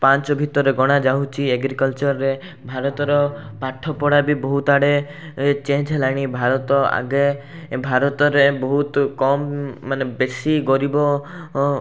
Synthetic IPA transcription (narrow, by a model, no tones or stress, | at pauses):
pant͡ʃɔbʱit̪ɔɾeɡɔɽ̃ad͡ʒawt͡ʃʰieɡɾikɔlt͡ʃɔɾɾe | bʱaɾɔt̪ɔɾɔ | paʈʰɔpɔɽabibɔɦut̪aɽe | t͡ʃẽd͡ʒʱelaɽ̃ibʱaɾɔt̪ɔa̰ɡe | bʱaɾɔt̪ɔɾebɔɦut̪kɔmːanebesiɡɔɾibɔ